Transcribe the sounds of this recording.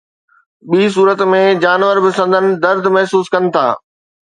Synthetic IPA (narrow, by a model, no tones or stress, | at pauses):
ɓiːs̬uːɾət̪mẽd͡ʑaːnʋəɾbɪsə̃nd̪ənɪ̆d̪ɐɾd̪ʱmɐɦsuːskɐnɪ̆t̪ʰa̰ː